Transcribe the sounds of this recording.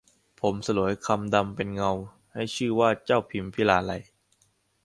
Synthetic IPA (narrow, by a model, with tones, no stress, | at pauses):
pʰo˩˦msa˧lu˩˦jkʰa˧mda˧mpe˧nŋa˧w | ha˥˩jt͡ɕʰɯː˥˩waː˥˩t͡ɕa˥˩wpʰi˧mpʰi˦˥˩laː˧la˧j